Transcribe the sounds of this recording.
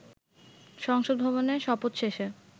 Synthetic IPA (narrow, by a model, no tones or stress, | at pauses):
ʃɔŋʃod̪̚bʱɔβoneʃɔpot̪ʃeʃe